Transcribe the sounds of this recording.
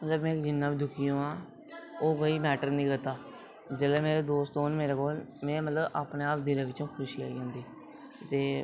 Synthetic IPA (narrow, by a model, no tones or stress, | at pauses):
mət̪ləbmɛ̃ːkd͡ʒɪnːãːbiːd̪ʱʊkijõːaː | oːkəiːmɛːʈəɾniːɡət̪aː | d͡ʒəleːmeːɾeːd̪oːst̪ɦoːnmeːɾeːkoːlmɛ̃ːmət̪ləba̰ːpneːaːp̚d̪ɪɾẽːʋɪt͡ʃõːkʰʊʃiːa̰ːḭːɦõːnd̪iː | t̪eː